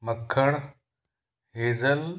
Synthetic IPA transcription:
məkʰəɽ̃ | ɦeːzəl

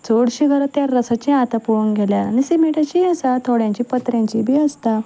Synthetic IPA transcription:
d͡zoɽɕiɡʱəɾət̪ːjaɾːəsat͡ɕĩat̪apuuŋɡʱeljaːnisimiʈat͡ɕiəsat̪ʰoɽjãɲt͡ɕiːpət̪ɾjãɲt͡ɕibʱiːəst̪a

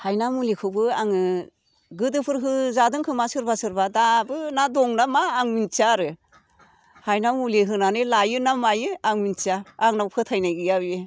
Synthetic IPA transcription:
hajnamulekʰɯbɯaŋɯ | ɡɯdɯpʰɯɾɦɯzadɯŋkʰɯmasɯɾbasɯɾbadabɯnadɔŋnamaːŋmint͡ʃaɾɯ | hajnamuleɦɯnanɯlajɯnamajɯaŋmint͡ʃiaːŋnawpʰɯtʰajnajɡɯjabe

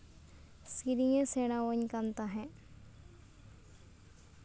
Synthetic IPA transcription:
siɾijẽseːɽ̃aʋoɲkant̪aɦɛ̃ː

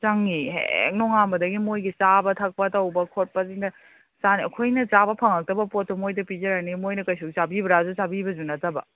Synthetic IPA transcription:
t͡ʃaŋːiɦḛk̚nɔŋambɐdɐɡimojɡit͡ʃabɐtʰɐk̚pɐtɐwbɐkʰot̚pɐziŋndɐ | saniɐkʰojnɐt͡ʃabɐpʰɐŋɐk̚tɐbɐpotːomojdɐpizɐɾanimojnɐkɐjsoɡit͡ʃabibɐɾazusabibɐzunɐtɐbɐ̰

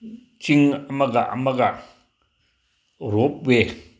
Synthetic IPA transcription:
t͡ʃiŋɐmɐɡaʔɐ̰mɐɡa | ɾop̚we

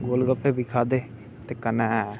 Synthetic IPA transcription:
ɡoːlɡəpeːbɪkʰaːd̪eː | t̪eːkənaɛː

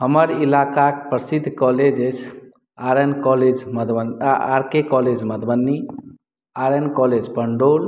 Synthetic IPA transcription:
ɦəməɾilakakpɾəsid̪ʱːkɔled͡ʒet͡ʃʰ | aɾənkɔled͡ʒməd̪bənaa̰ɾkekɔled͡ʒməd̪bənːi | aɾənkɔled͡ʒpəɳɖol

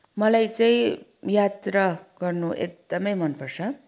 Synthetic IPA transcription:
mʌlajt͡saĩjat̪rʌɡʌrnuʔḛk̚d̪̥ʌmʌjmʌnpʌrt͡sʰʌ

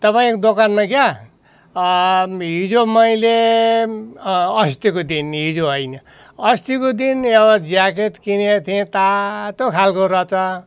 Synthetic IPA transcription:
t̪ʌpaĩkod̪okanmakja | ɦid͡zomʌjle | ʌst̪ikod̪inɦid͡zoɦʌjnʌ | ʌst̪ikod̪inebʌd͡zaket̪kinet̪ʰiẽt̪at̪okʰalkoɾʌt͡sʰʌ

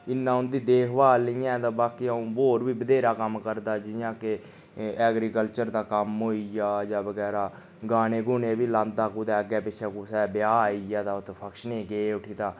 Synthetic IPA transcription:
ɪnːãːʊnd̪iːd̪eːkʰbaːlɪjãːt̪ãːbaːkiːaũːboːɾbiːbəd̪eːɾaːkəmkəɾd̪aːd͡ʒɪjãːkɪ | ɛːɡɾiːkəlt͡ʃəɾd̪aːkəmɦoːiːjaːd͡ʒaːbəɡɛːɾaː | ɡaːneːɡʊneːbiːlãːnaːkuːd̪ɛːəɡɛːpɪʃʰɛːkuːsɛːbɪjaːaːiːjaːt̪aːʊt̪pʰəkʃneːɡeːʊʈʰiːd̪aː

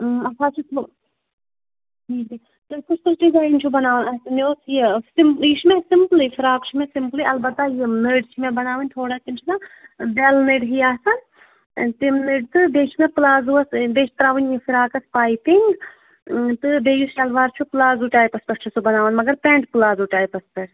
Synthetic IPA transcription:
ɐt͡ʃʰaːt͡ʃʰut̪u | ɦiːd̪i | t̪ɨpɐspɐsʈizaːjint͡ʃʰubɐnaːʋɐnɐt̪ɨnoːsjisimpiʃmẽsimplifʰiɾaːkt͡ʃʰimẽsimpliʔɐlbɐt̪ːajinəːɖt͡ʃʰimẽbɐnaːʋɐnʲt̪ʰoːɽaːt̪imt͡ʃʰinabelneɖɦiaːsɐn | t̪imneɖt̪ɨb̪eːt͡ʃʰimẽplaːzuɐsbeːt͡ʃʰt̪ɐɾaːʋɐnʲjifʰiɾaːkɐspaːjpiŋɡ | t̪ɨbeːjisɐlʋaːɾt͡ʃʰuplaːzuʈaːjpɐspɐɾt͡ʃʰisubɐnaːʋɐnmɐɡɐɾpeːɳʈplaːzuʈaːjipɐspɐɾ

